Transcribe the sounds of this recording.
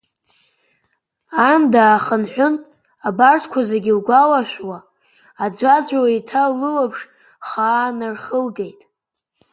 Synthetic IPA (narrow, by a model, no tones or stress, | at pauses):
andaːχənħʷᶣʊn | abartʰkʷʰazaɡʲilɡʷalaʃʷᶣwaː | d͡zʷad͡ʒʷawaitʰalɨwapʰʂ | χaːnɨrχəlɡe̞jtʼ